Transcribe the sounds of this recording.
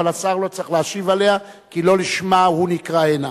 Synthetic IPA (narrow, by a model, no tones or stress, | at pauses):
alasaʁlo̞t͡sʁiχleaʃivale̞a | kilo̞liʃmahunikʁaena